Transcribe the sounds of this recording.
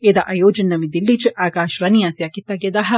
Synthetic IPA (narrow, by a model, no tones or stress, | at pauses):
ed̪ɐʔɐjoːd͡ʒɐnːɐmid̪ilːit͡ʃʔaːkaːʃʋɐnijaːsijakit̪ːɐɡed̪ɐɦɐ